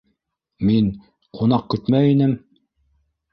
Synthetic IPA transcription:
min | qʰun̪ɑq̚kɵ̆t̪mæinɘm

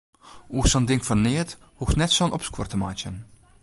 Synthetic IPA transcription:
uːxsɑndɪŋkfɔrneːt | huxnɛtsoənʔɔpskwɔ̰rtəmaːt͡ʃən

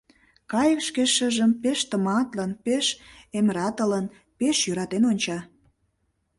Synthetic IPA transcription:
kɑjə̆kʃkeʃə̆ʒəmpeʃt̪ə̆mɑt̪lənpeʃemɾɑt̪ə̆lən | peʃjøɾɑt̪enonʲt͡ɕɑ

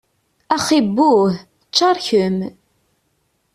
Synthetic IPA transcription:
æχibːuθ | ət͡ʃːɑɾˤçəm

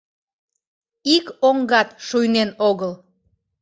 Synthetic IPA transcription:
ikoŋɡɑt̪ʃujnenoɣəl

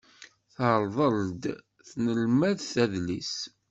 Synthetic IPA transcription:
θɾˤðˤəld̪ | θnəlmæðθæðlis

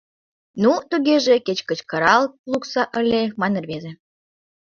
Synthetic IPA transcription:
nut̪uɣeʒeket͡ɕkət͡ɕkəɾɑlluksɑʔəlʲemɑnerβeze

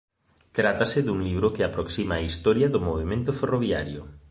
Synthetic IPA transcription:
t̪ɾat̪asɪðuŋliβɾʊkɪapɾoksimaːist̪ɔɾjɐðʊmoβemẽnt̪ʊferoβiaɾjʊ̰

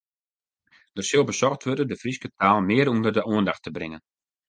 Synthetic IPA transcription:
d̥ərsɪlˠbəsɔxtʋørdədəfriskətʰaːlˠmɪəɾundərdəʔuəndaxtəbrɪŋən

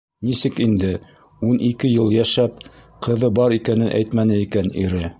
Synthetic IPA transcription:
nisɘkind̪ɘ | unʔikɘjɤlˠjæʃæp | qɤ̆ðɤbɑɾikænɘnʔæ̰jt̪mænɘikænḭɾɘ

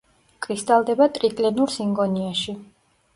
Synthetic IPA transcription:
kʼɾist̪ʼalˠd̪ɛbat̪ʼɾit̪ʼlɛnuɾsiŋɡɔniaʃi

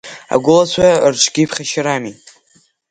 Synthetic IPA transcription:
a̰ɡʷʊlat͡ɕʷʰarʈ͡ʂʷʰɡʲipʰχaʃɪɾamitʼ

